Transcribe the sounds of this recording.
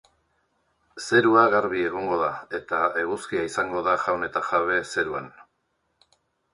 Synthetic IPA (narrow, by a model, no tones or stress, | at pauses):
se̞ɾuaɣaɾβie̞ɣ̞o̞ŋɡo̞ðae̞t̪ae̞ɣuskiaisaŋɡo̞ðaʝawne̞t̪aʝaβ̞e̞se̞ɾua̰n